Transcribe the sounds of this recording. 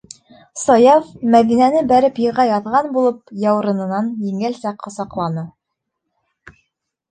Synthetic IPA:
sɑjɑvmæðinænɘbæɾɘpjɤ̆ʁɑjɑðʁɑnbulˠɤp̚jɑw̆ɾɤ̆nɤ̆nɑnjiŋælsæqʰːɑsɑqlˠɑnɤ

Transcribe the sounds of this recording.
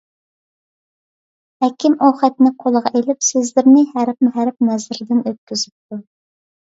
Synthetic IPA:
hɛkʲʰɪmoχɛt̪nɪqʰolˠəʁɑʔelɪpsɪzlɪɾnɪhæɾp̚mʊɦæɾp̚nɛzɪɾɪd̪ɪnøt̪̚kʲʰyz̥ɪp̚t̪ʰu

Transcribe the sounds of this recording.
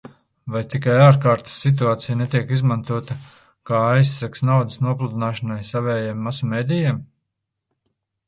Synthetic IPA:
vajt̪ikajaːɾkaːɾt̪ɪ̥sːit̪̬uaːt̪sijnet̪iɛkizmant̪uɔt̪a | kaːajsaksnawd̪əsnuɔplˠud̪inaːʃanajsavɛːjemːasɔmeːd̪ijɛm

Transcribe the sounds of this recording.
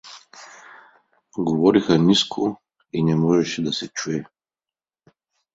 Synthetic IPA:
ɡovɔɾixɐniskʰo | inɛmɔʒɛʃɛd̪ɐsɛt͡ʃuɛ

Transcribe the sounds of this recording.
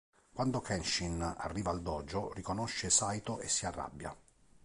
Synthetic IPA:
kwand̪okʰɛnʃina̰rːiːvaːld̪ɔːd͡ʒorikonoʃːesajt̪oʔesːiarːa̰bːja̰

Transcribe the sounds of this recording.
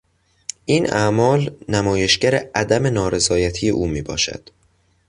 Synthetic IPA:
ʔiːnæmɒːlnæmɒːje̞ʃɟæɾeʔæd̪æme̞nɒːɾe̞zɒːjæt̪ʰijḛʔuːmiːbɒ̰ːʃæ̰d̪̥

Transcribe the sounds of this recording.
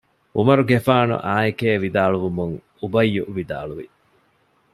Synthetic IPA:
umɐɾuɡefaːnṵʔaːikeːʋid̪aːɭuʋumuŋ | ubɐjːuʔʋid̪a̰ːɭuʋi

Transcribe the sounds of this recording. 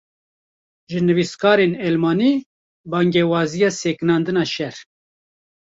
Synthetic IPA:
ʒɨnɨviskʰɑːɾenɛlmɑːniː | bɑːŋɡɛwɑːzijɑːsɛkɨnɑːnd̪ɨnɑːʃɛɾ

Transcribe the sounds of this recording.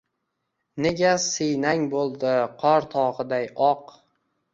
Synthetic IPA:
neɡʲasɨjnaŋbolˠd̪ɪqʰɒɾt̪ʰɒʁɨd̪ajɒq

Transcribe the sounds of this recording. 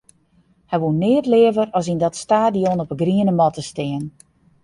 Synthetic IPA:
hɛjʋunːɪətlɪəvərɔsindɔtstaːdijɔnɔpəɡriənəmɔtəstɪːən

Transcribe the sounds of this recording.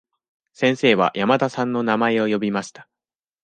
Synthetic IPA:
sẽ̞ɰ̃se̞ːβa̰jamat̪asãnːo̞namae̞o̞jo̞bʲimaɕi̥t̪ḁ

